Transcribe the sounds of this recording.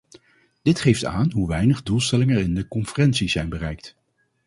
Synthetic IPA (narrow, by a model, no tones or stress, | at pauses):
d̥ɪtχejfta̰ːnɦuʋɛjnəχdulˠstɛlɪŋəɹɪndəkɔnfərɛnsizɛjnbərɛjk̚t